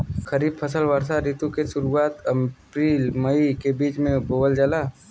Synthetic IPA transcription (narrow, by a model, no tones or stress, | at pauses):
kəɾiːb̚pʰəsəlʋəɾsaɾit̪ũkesʊɾuaːt̪əpɾiːlməikebiːt͡ʃmẽboːbəld͡ʒəlaː